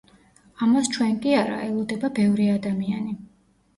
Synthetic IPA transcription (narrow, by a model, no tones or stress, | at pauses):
amast͡ʃʰwɛnkʼiaɾa̰ʔɛlˠɔd̪ɛbabɛvɾiad̪amiani